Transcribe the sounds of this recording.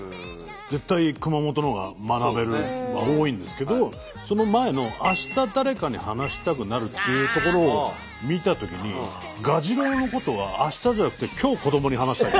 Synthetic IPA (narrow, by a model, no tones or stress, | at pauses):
d͡ze̞t̪ːaikɯ̟mamo̞t̪o̞noɡa̰manabe̞ɾɯ̟ao̞ːĩnd̪e̞sɨ̥ke̞d̪o̞ | so̞no̞mae̞no̞ʔaɕi̥t̪ad̪aɾe̞kaɲ̟ihanaɕi̥t̪ak̬ɯ̟naɾɯ̟t̪ːe̞jɯ̟ːt̪o̞ko̞ɾo̞ː | mʲit̪at̪o̞kʲiɲ̟i | ɡaʑiɾo̞ːno̞ko̞t̪o̞β̞aːɕi̥t̪aʑanakɯ̟̥t̪ekʲʰo̞ːko̞d̪o̞mo̞ɲ̟iɦanaɕi̥t̪a